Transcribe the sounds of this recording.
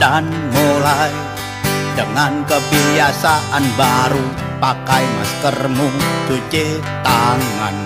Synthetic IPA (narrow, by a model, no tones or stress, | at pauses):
d̥anmolai | dəŋankəbijasaʔanbaɾu | pakaimaskərmʊnd͡ʒ̥ot͡ʃe | t̪aŋan